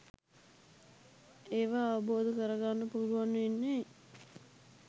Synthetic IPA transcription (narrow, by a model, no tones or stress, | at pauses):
eːʋaːʋɐboːd̪əkəɾəɡanːəpuːɾuʋanːəenːeː